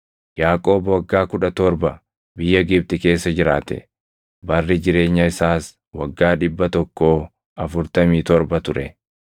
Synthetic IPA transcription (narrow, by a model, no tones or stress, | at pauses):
jaːkʼo̞ːbwɐɡːaːkʊᶑɐt̪ɔɾbɐ | bɪjːɐɡɪb̚t̪ɪke̞ːsːɐd͡ʒɪɾa̰ːt̪ɛ̰ | bɐrːɪd͡ʒɪɾe̞ːɲːɐɪsaːs | wɐɡːaːᶑɪbːɐt̪ɔkːoː | ɐfʊɾt̪ɐmiːt̪ɔɾbɐt̪ʊɾɛ